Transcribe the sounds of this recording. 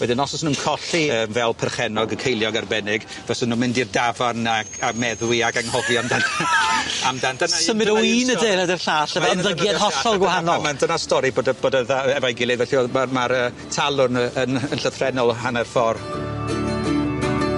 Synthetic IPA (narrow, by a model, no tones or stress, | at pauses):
wɛdɪnɔsɔsənunkʰɔɬiəːmvɛlˠpʰərχɛnɔɡəkʰejlˠjɔɡarbɛnɪɡ | vɛsənuːmɪndirdavanaɡamɛðwiaɡaŋhɔvjɔmdanaamdandəsəmɨdɔwiːnədɪːnədɪrɬaːɬɛvɛəmðəɡjɛðɦɔɬɔlˠɡwahanɔmandənastɔɾiboːdaboːdaðaɛvajɡɪlˠivɛɬiomarmaɾəː | tʰalˠʊnənənɬəθrɛnɔlˠhanɛrfɔr